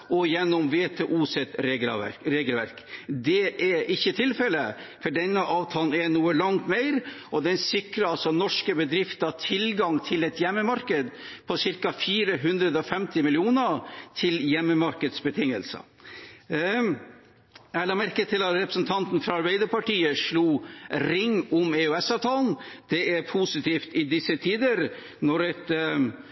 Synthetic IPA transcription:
ɔjɛnːɔmʋeːt̪ʰeːʔuːsɛt̪ɾ̰ɾeːɡəlʋæɾkd̪ɛʔɛʔɪçːət̪ʰɪlfɛlə | fɔɖɛnːəʔɑːʋt̪ʰɑːln̩ɛnuːəlɑŋt̪meɪɾʔɔd̪ɛnsɪkɾəɾɑlsɔnɔʂkəbəd̪ɾɪft̪ɑt̪ʰɪlɡɑŋt̪ʰɪlɛt̪jɛmːəmɑɾkəd̪pʰɔsɪɾkɑfiːɾəɦʉnd̪ɾəd̪əɔfɛmt̪ɪmɪlɪuːnət̪ʰɪljɛmːəmɑɾkəd̪sbət̪ʰɪŋːəlsə̰ | ælɑmæɾkət̪ʰɪlɑɾɛpɾəsn̩t̪ʰɑnt̪n̩fɾɑɑɾbæɪd̪əɾpɑʈiːəʂɭuːɾɪŋːʊmeʉɛsɑʋt̪ʰɑːln̩d̪̥ɛæɾpʰusɪt̪ʰiːft̪ɪd̪ɪsət̪ʰiːd̪əɾ | nɔɾɛt̪

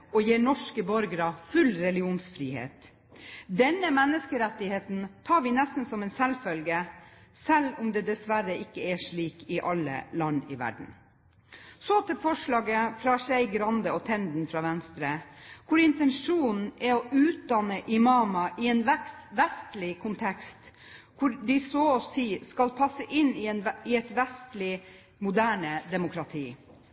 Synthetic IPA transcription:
ɔjeːɳɔʂkəbɔɾɡɾɑfʉlɾɛlɪuːnsfɾiːhḛːt̪ | d̪ɛnːəmɛnːəskəɾɛt̪ːɪheːt̪n̩t̪ʰɑːɾʋɪnɛst̪n̩sɔmɛnsɛlfœlɡəsɛlʊmd̪ɛːd̪ɛsʋæɾəɪkːəɛʂɭiːkɪʔɑlːə̰lɑnːɪ̰ʋæ̰ɖɳ̩ | sɔt̪ʰɪlfɔʂlɑːɡəfɾɑʂæɪɡɾɑnd̪əɔt̪ʰɛnd̪n̩fɾɑːʋɛnst̪ɾəkʰʊɾɪnt̪ɛnʂuːnn̩ɛɔʔʉːt̪̚d̪ɑnəʔɪmɑːmɑʔɪɛnʋɛst̪lɪkʰʊnt̪ʰɛkst̪ | kʰʊɾɖ̪ɪsosiːskɑlpʰɑsːəʔɪnɪnɪɛt̪ʋɛst̪lɪ | mʊd̪æːɳəd̪ɛmʊkʰɾɑt̪ʰiː

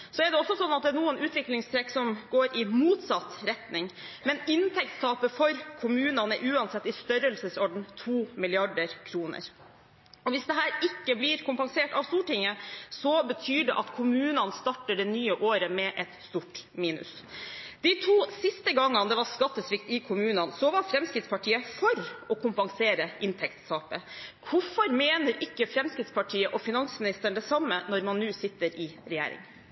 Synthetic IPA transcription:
sɔɛɖɛɔsːɔsɔnːɑt̪̚d̪ɛænuːənʔʉːt̪ʋɪklɪŋst̪ʰɾɛksɔmɡoːɾɪmuːt̪sɑt̪ɾɛt̪nɪŋmɛnɪnt̪ʰɛk̚t̪st̪ʰɑːpəfɔɾkʰʊmʉːnɑnə̰ʔʉːɑnsɛt̪ːɪst̪œɾəlsəsɔɖɳ̩t̪ʰuːmɪlɪɑɖəɾkʰɾuːnə̰ɾ | ɔʋɪsd̪ɛɦæːɾɪkːəblɪɾkʰʊmpɑŋseːʈɑʋst̪uːʈɪŋːəsɔbət̪ʰyːɖɛ̰ʔɑt̪kʰʊmʉːnɑnst̪ɑʈːəɖɛnyːəʔoːɾəmɛʔɛt̪st̪uːʈmiːnʉ̰s | d̪̥ɪt̪ʰuːsɪst̪əɡɑŋːɑnd̪ɛʋɑɾskɑt̪ːəsʋɪkt̪ɪkʰʊmʉːnɑnsɔʋɑɾfɾɛmskɾɪt̪spɑʈʰiːəfɔɾɔkʰʊmpɑŋseːɾəʔɪnt̪ʰɛkt̪sɑːpə | ʋʊfɔɾmeːnəɾɪkːəfɾɛmskɾɪt̪spʰɑʈʰiːəʔɔfɪnɑŋsmɪnɪst̪əɳd̪ɛsɑmːənɔɾmɑnːʉːsɪt̪ːəɾʔɪɾɛjæ̰ːɾɪ̰ŋ

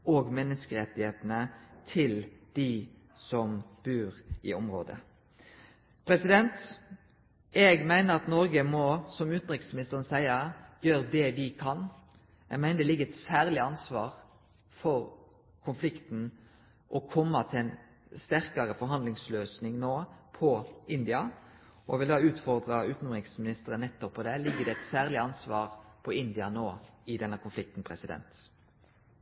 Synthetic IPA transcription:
oːɡmɛnːəskəɾɛt̪ːɪheːt̪nət̪ʰɪld̪̥ɪ | sɔmb̥ʉːɾɪɔmʁo̰ːd̪ə̰ | pʰɾɛsɪd̪ɛnt̪ | ɛɡmæɪnəʁɑt̪nɔɾɡəmɔsɔmʉt̪n̩ʁɪkt̪smɪnɪst̪əʁənsæɪɑjøːɾd̪ɛʋɪkʰɑn | ɛ̰ɡmæɪd̪ɛlɪɡːəɛɪt̪sæːɾlɪɑnsʋɑːʁ | fɔɾ | kʰʊnflɪkt̪n̩ | ʔɔkʰɔmːət̪ʰɪlɛn | st̪æʁkɑʁəfɔɾɦɑnd̪lɪŋsløːsnɪŋnoːpʰɔɪnd̪ɪɑ | ɔɛʋɪld̪ɑːʉːt̪fɔʁd̪ʁɑʉːt̪n̩ʁɪksmɪnɪst̪əɾənːɛt̪ːɔpʰːɔd̪ɛlɪɡːəd̪ɛɛt̪sæːʁlɪɑnsʋɑːʁpʰɔɪnd̪ɪɑnoːɪd̪ɛnːəkʰʊnflɪk̚t̪n̩pʰʁɛsɪd̪ɛ̰nt̪

